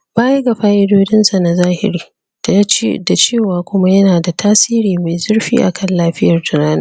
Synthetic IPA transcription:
baː˦je˦ɡa˨ɸaː˦ʔɪ˦doː˦d͡ʒɪ˦nsa˨na˨zaː˦hɪ̰˨ɾiː˦ | d̥a˨˦t͡ʃːda˨t͡ʃeː˦˨waː˨kʷʊ˦ma˦jɐ˦naː˨da˨tʰaː˦siː˦ɾiː˨ma˨jzɐ˦rɸḭː˦ʔa̰˨kʰɐ˦˨nlaː˦ɸɪ˦jɐ˨rtʊ˨naː˦na˦

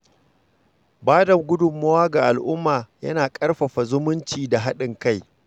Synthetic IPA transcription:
baː˦dɐ˨ɡʷʊ˦dʊ˨mːɐ˦waː˦ɡa˨ʔa˨lʔʊ˦mːaː˨jɐ̰˦naː˨kʼɐ˦rɸɐ˨ɸa˨zʊ˦mʊ˦nt͡ʃiː˨da˨ɦa˦ɗɪ˨ŋka˦˨j

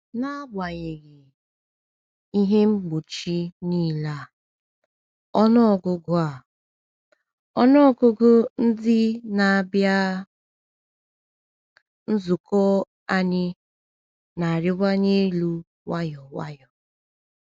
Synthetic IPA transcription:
na˦ɡ͡ba˨je˨ɣɪ˨ | i˦ɦe˦ŋ͡m̩˦ɡ͡bo˨t͡ʃi˦niː˦˨la˦˨ | ɔ˦nɔ˦ɔ˨ɡʊ˦ɡʊ˦a˨ | ɔ˦nɔ˦ɔ˦ɡʊ˦ɡʊ˦n̩˦dɪ˦na˨a˨bja˦ | n̩˦zu˨kɔ˦ | a˦ɲɪ˦ | na˨a˨ɾɪ˦ɡʷa˦ɲe˦lu˦ | wa˦jɔ˨wa̰˦jɔ˨

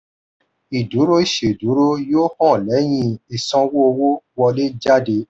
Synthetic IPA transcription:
i˨du˨˦ɾo˦i˦˨ʃe˨du˨˦ɾo˦joː˦hɔ̃˦˨lɛ˨˦j̃ĩ˧i˨sɔ̃˧wo˦o˧wo˦wɔ˧le˦d͡ʒa˦de˧˦

